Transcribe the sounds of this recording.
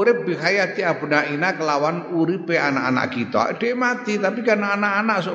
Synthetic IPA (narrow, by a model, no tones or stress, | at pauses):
ɾɪp̚biɦajat̪iapunaʔinakəlawanuɾipeanaʔa̰na̰ʔkit̪ɔ̰ʔd̥ɛmat̪it̪apikarnaːnaʔanaʔso